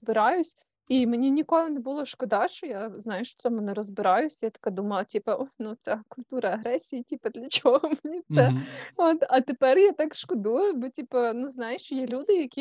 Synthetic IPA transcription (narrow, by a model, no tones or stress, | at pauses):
zbɪɾɑjʊsʲ | imenʲinʲikɔlˠɪnebulˠɔʃkɔd̪ɑt͡ʃɔjaznɑjʊʃt͡ʃɔ̥tsɛmʊnɛɾɔzbɪɾɑjʊsʲjat̪ɐ̥kɑd̪umɐlˠɐtʲipɐɔnut͡ssɛkʊlʲt̪uɾɐɐɦɾɛsʲijitʲipɐd̪lʲɐt͡ʃɔɦɔmnʲisɛot̪ɐt̪epɛrjat̪ɑkʃkɔd̪ujʊbɔtʲipɐnuznɑjʊʃt͡ʃɔjɛlʲud̪ɪjɐkʲi